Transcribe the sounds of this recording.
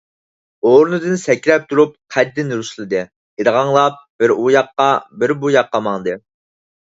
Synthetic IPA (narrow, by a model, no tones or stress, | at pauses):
oɾunɨd̪ɨnsɛkʲɾɛp̚t̪ʰuɾup̚qʰæd̪ːɪnɾuslˠɨd̪ɨ | iɾʁɑŋlˠɑp̚b̥ɪɾujɑqːɑbɪɾbujɑqːɑmɑŋd̪ɨ